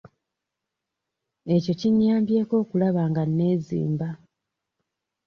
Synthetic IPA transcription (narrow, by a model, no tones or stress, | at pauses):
e̞co̞ciɲːaːmbje̞ːko̞ːkulaβaːŋɡanːe̞ːzḭːmba